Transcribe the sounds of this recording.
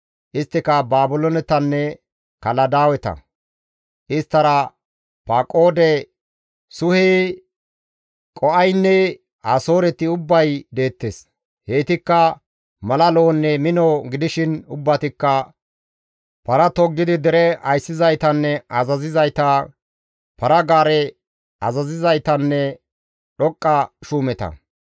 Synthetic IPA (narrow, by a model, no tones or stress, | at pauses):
ʔɪst̪ːɪkɐbaːbʊlɔnɛt̪ːɐnːɛ | kɐlɐd̪aːwɛt̪ɐ̰ | ʔɪst̪ːɐɾɐ | pakʼoːd̪ɛ | sʊheː | kʼɔʔɐjnːɛ | aːso̞ːɾɛt̪ːɪʊbːɐjd̪e̞ːt̪ːeːs | he̞ːt̪ɪkːɐ | mɐlɐlo̞ːnːɛmɪnɔɡɪd̪ɪʃɪnʊbːɐt̪ɪkːɐ | pɐɾɐt̪ɔɡːɪd̪ɪd̪ɛɾɛɐ̰jsːɪzɐjt̪ɐnːɛɐzɐzɪzɐjt̪ɐ | pɐɾɐɡaːɾɛ | ɐzɐzɪzɐjt̪ɐnːɛ | ɗɔkʼːɐʃuːmɛt̪ɐ̰